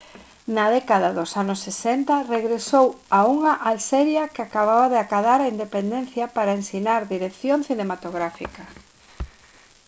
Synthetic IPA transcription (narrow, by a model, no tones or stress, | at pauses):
naðɛkaðaðʊsanʊsːesɛnt̪ɐreɣɾesowauŋaʔalsɛɾjɐkɪakaβaβaðeakaðaɾaind̪epend̪enθjɐpaɾaensinaɾðiɾekθjoŋθinemat̪oɣɾafikɐ